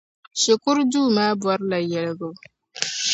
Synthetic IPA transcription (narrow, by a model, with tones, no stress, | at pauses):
ʃɪ˨kʊ˦ɾduː˦˨maː˦bʊ˨ɔ˦ɾla˨jːɛ˨ɽɡo˦